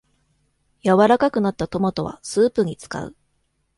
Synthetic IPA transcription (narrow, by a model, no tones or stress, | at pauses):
jaβaɾakakɯ̟nat̪ːat̪o̞mot̪o̞βa̰sɨːpɯ̟ɲ̟it͡sɨ̥ka̰ɯ̟̰